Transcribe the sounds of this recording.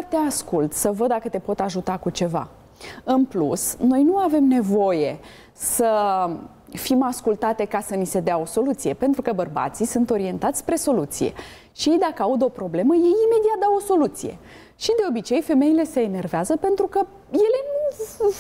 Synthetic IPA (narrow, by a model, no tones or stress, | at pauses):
t̪e̞askult̪səvəd̪̚d̪akət̪e̞po̞t̪aʒut̪akut͡ʃe̞va̰ | ɨnplusno̞jnuave̞mne̞vo̞je̞ | sə | fimaskult̪at̪e̞kasənise̞d̪eao̞so̞lut̪sije̞pe̞nt̪ɾukəbərba̰t̪sisunt̪o̞ɾie̞nt̪at̪sʲpɾe̞so̞lut̪sije̞̰ | ʃije̞jd̪akəaud̪o̞pɾo̞ble̞məje̞jime̞d̪iat̪̚d̪awoso̞lut̪sije̞̰ | ʃid̪e̞o̞bit͡ʃe̞jfe̞me̞ile̞se̞ːne̞rveazəpe̞nt̪ɾukə | je̞le